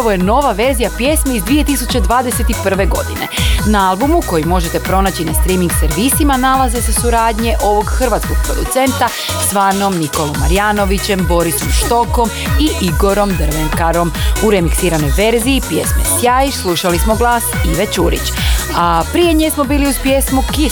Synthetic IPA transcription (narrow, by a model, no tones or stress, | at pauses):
aʋojeno̞ʋaʋe̞ɾzijapje̞smeizd̪ʋije̞t̪isut͡ɕe̞d̪ʋaːd̪e̞se̞t̪ipr̩ʋe̞ɡo̞̰d̪ine̞̰naalˠbumuko̞jimo̞ʒet̪e̞pɾo̞nat͡ɕinast̪ɾimiŋɡse̞ɾʋisimanalˠaze̞sesuɾaːd̪ɲe̞ʔo̞ʋo̞ɡxr̩ʋat̪sko̞ɡ̥̚pɾo̞d̪ut̪se̞nt̪a | sʋaːnomniko̞lˠomːa̰ɾijaːno̞ʋit͡ɕe̞mbo̞ɾisomʃt̪o̞ko̞m | iʔiɡo̞ɾo̞md̪r̩ʋeŋkaɾo̞muɾe̞miksiːɾano̞jʋe̞ɾziːpje̞̰smḛsjaːiʃslˠuʃalismo̞ɡlˠaːsiʋet͡ɕuːɾḭt͡ɕapɾije̞ɲesmo̞biːliuzpje̞smuki